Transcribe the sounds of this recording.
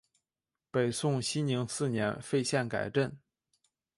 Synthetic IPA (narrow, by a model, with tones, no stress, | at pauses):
pe˨˩ɪsʊ˥˧ŋɕi˥nni˧˥ŋsɹ̩˥˩njɛ˧˥nfe˥˧ɪɕjɛ˥˩nka̰˨˩ɪʈ͡ʂə˥˩n